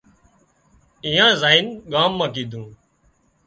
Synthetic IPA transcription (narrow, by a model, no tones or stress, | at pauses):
ĩːãːzaːinɠaːmːãːkiːd̪ʱũː